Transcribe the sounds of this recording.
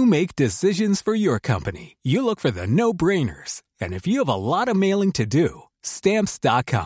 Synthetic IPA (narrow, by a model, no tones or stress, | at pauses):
ɨmeɪk̚d̥ɨsɪʒɨ̃nz̥fə˞jə˞kʰʌ̃mpɨnḭjɨlʊkfə˞ðɨnoʊbɹẽɪ̃nə̰˞z̥ | ɨ̃nɨfjɨːvə̰lɔɾʌmeɪlˠɪ̃ŋtʰɨdɨ | stæ̃mpsd̥ɑt̚kʰɑ̰̃m